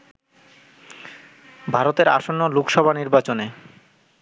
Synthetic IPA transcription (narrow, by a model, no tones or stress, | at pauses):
bʱaɾot̪eɾa̰ʃonːolokʃɔbʱaniɾbat͡ɕone